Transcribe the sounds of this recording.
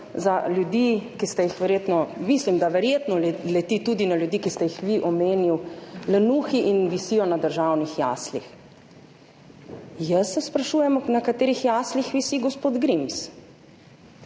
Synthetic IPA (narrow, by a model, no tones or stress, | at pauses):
zaljud̪ikist̪ɛjixʋɛɾjet̪nɔmislimd̪aʋɛɾjeːt̪nɔlɛt̪it̪ud̪inaljud̪ikist̪ɛjixʋiʔɔmeːniwlɛnuːxiʔinʋisiːɔnad̪əɾʒawnixja̰ːslix | jəsːɛspɾaʃuːjɛmɔnakat̪eːɾixjaːslixʋisiɡɔspoːd̪ɡɾims